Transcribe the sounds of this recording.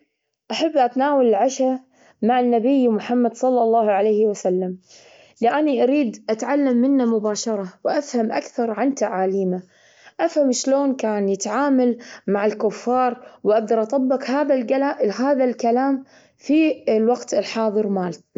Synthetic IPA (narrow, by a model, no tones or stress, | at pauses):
ʔaħabːʔat̪naːwalɪlʕaʃa | maʕanːabɪjːmʊħamːad̪sˤɑlːɑlˤːɑːhʕalajhɪwasalːam | liʔaniʔaɾiːd̪ʔat̪ʕalːamːɪnːamʊbaːʃɑɾˤɑwʔafhamʔa̰kθɑɾˤʕant̪aʕaːliːma | ʔafhamʃloːnkaːnjɪt̪ʕaːmalmaʕɪlkʊfːɑːɾˤwʔaɡ̚d̪ɑɾˤʔɑt̪ˤɑbːɪkhaːðalɡalaʔɦaːðalkalaːm | filwaɡt̪ɪlħɑːðˤɨɾmaːl